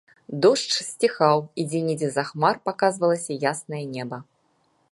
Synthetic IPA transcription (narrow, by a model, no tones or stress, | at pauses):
d̪ɔʂt͡ʂsʲt͡sʲixawid͡zʲenʲid͡zʲɛzaxmarpakazvɐlˠɐsʲɐjasnɐjɐnʲɛbɐ